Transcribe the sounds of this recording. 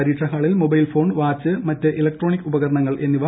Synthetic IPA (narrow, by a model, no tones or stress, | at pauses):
ɐɾiːʈʂɐɦaːɭilmobɐjlfo̞ːɳʋaːt͡ɕːɨmɐtːɨʔelɐk̚ʈro̞ːɳikːubɐɣɐɾɐɳɐŋːɐɭʔe̞nːiʋaː